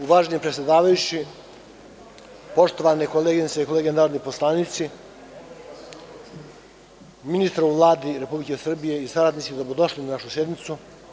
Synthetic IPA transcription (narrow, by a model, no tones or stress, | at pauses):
uʋaːʒenimpɾe̞tsʲjed̪aːʋajut͡ɕi | po̞ʃt̪o̞ʋanekoleːɡinseiko̞leɡenaːɾod̪nipo̞slˠaːnit̪si | minist̪ɾauʋlˠaːd̪iɾe̞publike̞sr̩bije̞isaɾad̪nisid̪abud̪o̞ʃlinanaʃusje̞d̪nit̪su